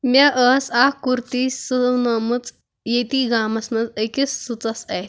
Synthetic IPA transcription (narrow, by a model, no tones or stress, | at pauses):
maʔəsakuɾt̪isəwnəmət͡s | jet̪iɡamɐsnɐt͡səjkesːut͡sasaet̪